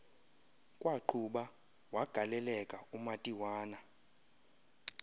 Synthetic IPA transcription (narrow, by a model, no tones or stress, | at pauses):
kʼwaǃʰuɓa | waɡ̥ʱalɛlɛkʼaumatʼiwaːna